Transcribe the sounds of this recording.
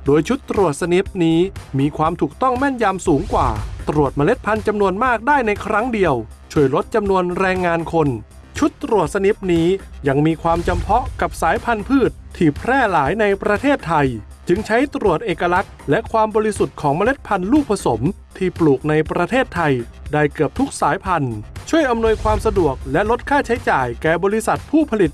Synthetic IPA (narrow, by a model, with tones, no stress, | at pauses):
doː˧jt͡ɕʰu˦˥t̪ːɾu˨˩ət̪̚sa˧ni˦˥p̚niː˦˥miː˧kʰwaː˧mt̪ʰuː˨˩k̚t̪ɔ˥˩ŋmɛ˥˩njaː˧msuː˩˦ŋkwa̰ː˨˩t̪ɾu˨˩ət̪̚ma˧le˦˥t̪̚pʰa˧nt͡ɕa˧mnu˧ənmaː˥˩k̚daː˥˩jna˧jkʰɾa˦˥ŋdi˧əwt͡ɕʰu˥˩əjɾo˦˥t̪̚t͡ɕa˧mnu˧ənɾɛː˧ŋːaː˧nkʰo˧n | t͡ɕʰu˦˥t̪ːɾu˨˩ət̪̚sa˧ni˦˥p̚niː˦˥ja˧˩ŋmiː˧kʰwaː˧mt͡ɕa˧mpʰɔ˦˥ka˨˩p̚saː˩˦jpʰa˧npʰɯː˥˩t̪̚ʰːiː˧˩pʰɾɛː˥˩laː˩˦jna˧jpɾa˧t̪ʰeː˥˩t̪ʰːa˧j | t͡ɕɯ˧ŋt͡ɕʰa˦˥jt̪ɾu˨˩ət̪̚ʔeː˨˩kːa˧la˦˥k̚lɛ˦˥ʔkʰwaː˧mbɔː˧ɾi˧su˨˩t̪̚kʰɔː˩˦ŋma˧le˦˥t̪̚pʰa˧nluː˥˩k̚pʰa˧so˩˦m | t̪ʰiː˥˩pluː˨˩k̚na˧jpɾa˧t̪ʰeː˥˩t̪ʰːa˧j | daː˥˩jkɯ˨˩əp̚t̪ʰu˦˥k̚saː˩˦jpʰa˧nt͡ɕʰu˥˩əjʔa˧mnu˧əjkʰwaː˧msa˧du˨˩ək̚lɛ˦˥ʔlo˦˥t̪̚kʰaː˥˩t͡ɕʰa˦˥jt͡ɕaː˨˩jkɛː˨˩bɔː˧ɾi˧sa˨˩t̪̚pʰuː˥˩pʰa˧li˨˩t̪̚